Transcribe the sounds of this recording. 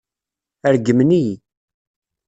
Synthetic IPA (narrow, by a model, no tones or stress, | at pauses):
æɾɡəmni